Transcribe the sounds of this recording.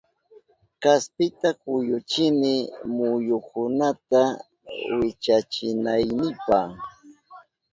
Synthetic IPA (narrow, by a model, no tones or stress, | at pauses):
kaspɪt̪akʊjʊt͡ʃɪnɪmʊjʊkʊnat̪a | wɪt͡ʃat͡ʃɪnajnɪpah